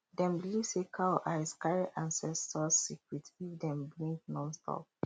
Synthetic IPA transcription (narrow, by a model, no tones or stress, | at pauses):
dɛ̃mbilisekʰaʔaɪskaɹiʔãnsɛstɔssikɹitifdɛ̃mblĩŋk̚nɔ̃nstʰɔ̰p̚